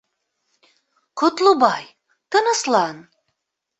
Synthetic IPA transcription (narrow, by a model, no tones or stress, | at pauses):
qʰʊt̪lˠubɑj | t̪ənəslˠɑn